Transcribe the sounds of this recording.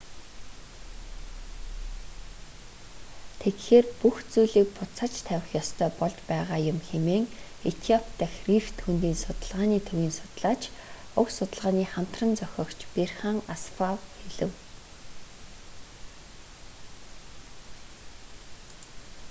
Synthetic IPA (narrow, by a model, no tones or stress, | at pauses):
t̪ʰet̪xeːrpuxt͡suːɮiːk̚pʰʊt͡săt͡ɕt̪ʰæwʲɪ̆xjɔst̪ʰœːpɔɮt͡ɕpæːʁaːjʊmxemeːŋ | et̪ʰiɔpʰt̪æxrift̪xunt̪iːnsʊt̪ə̆ɮʁaːniːt̪ʰɵwiːnsʊ̥t̪ɮaːt͡ɕʰ | ʊksʊt̪ə̆ɮʁaːniːχam̥t̪rə̆nt͡sœxʲɔːkt͡ɕʰpirχaŋasfawxeɮɘ̆w